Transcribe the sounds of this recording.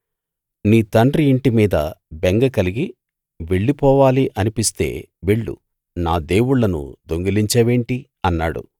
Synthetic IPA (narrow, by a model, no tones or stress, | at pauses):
niːt̪ɐɳɖriːɳʈimiːd̪ɐbeŋɡɐkɐliɡi | ʋe̞ɭːipɔːʋaːliʔɐnipist̪e̞̰ː | ʋeɭːṵ | naːd̪e̞ːwuɭːɐnṵd̪o̞ŋɡɐliɲt͡ʃɛːʋe̞ːɳʈi | ɐnːaːɽṵ